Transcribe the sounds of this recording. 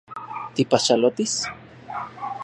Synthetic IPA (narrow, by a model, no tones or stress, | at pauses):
t̪ipaʃalot̪is